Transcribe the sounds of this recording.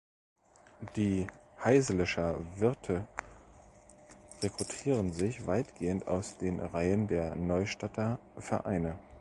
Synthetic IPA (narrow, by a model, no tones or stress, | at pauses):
d̥iːhaɪzəlɪʃɐvɪɐtʰə | ʁekʁ̥utʰiːʁ̞ənzɪçv̥aɪtɡ̥eːənta̰ʊsd̥eːnʁaɪəndeːɐnɔʏʃtatʰɐfɛɐʔa̰ɪnə